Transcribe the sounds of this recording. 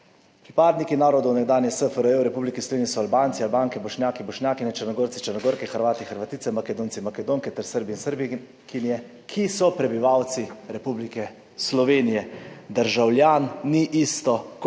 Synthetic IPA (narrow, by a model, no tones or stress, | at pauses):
pɾipaːd̪nikinaːɾɔd̪ɔwnɛɡd̪aːnjɛsəfəɾəewɾɛpublikislɔʋeːnʲisɔalbaːnt̪sialbaːŋkɛbɔʃnjaːkibɔʃnjaːkinɛt͡ʃəɾnɔɡoːɾt̪sit͡ʃəɾnɔɡoːɾkɛxəɾʋaːt̪ixəɾʋat̪iːt̪sɛmakɛd̪oːnt̪sinmakɛd̪oːŋkɛt̪ɛɾsəɾbinsəɾbi | kinjɛ | kʰisɔpɾɛbiʋaːwt̪siɾɛpublikɛ | slɔʋeːnijɛd̪əɾʒawljaːnːiʔist̪ɔk